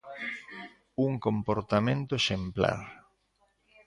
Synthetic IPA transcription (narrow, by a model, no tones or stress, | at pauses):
uŋkompoɾt̪amẽnt̪ʊeʃempla̰ɾ